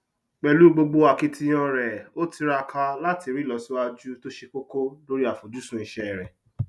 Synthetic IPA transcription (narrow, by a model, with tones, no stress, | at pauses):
k͡pɛ˨lu˨˦ɡ͡bo˧ɡ͡bo˧a˨ki˧tʰi˧˦j̃ɔ̃˧ɾɛ˨o˦tʰi˧ɾa˧kʰa˧la˦ti˧˨ɾi˦˨lɔ˨si˦a˧d͡ʒu˦to˦ʃe˧k͡po˦ko˦lo˦ɾi˦a˨fo˨d͡ʒu˨˦sũ˦i˨ʃɛ˦˨ɾɛ˨